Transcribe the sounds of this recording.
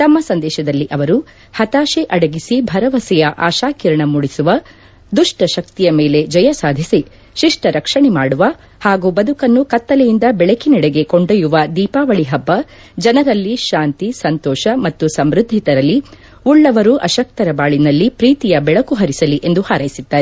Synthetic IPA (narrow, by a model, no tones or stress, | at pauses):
t̪ɐmːɐsɐnd̪ɛːʃɐd̪ɐlːiʔɐʋɐɾu | hɐt̪aːʃeʔɐɽɐɡisibʱɐɾɐʋɐsɛjɐʔaːʃaːkiɾɐɳɐmuɽisuʋɐ | d̪uʂʈɐʃɐkt̪ijɐmeːle̞d͡ʒɐjɐsaːd̪ʱisi | ʃiʂʈɐɾʔɐkʂɐɳɛmaːɽuʋɐ | haːɡuːbɐd̪ʱukɐnːukɐt̪ːɐlɛjind̪ɐbɛɭɐkiniɽeɡe̞koɳɖɐjuʋɐd̪iːpaːʋɐɭiɦɐbːɐ | d͡ʒɐnɐɾɐlːiʃaːnt̪isɐnt̪ɔːʃɐmɐt̪ːusɐmɾud̪ʱːit̪ɐɾɐlːi | uɭːɐʋɐɾuʔɐʃɐk̚t̪ɐɾɐbaːɭinɐlːipɾiːt̪ijɐbɛɭɐkuɦɐɾisɐliʔe̞nd̪uhaːɾɐjisid̪ːaːɾe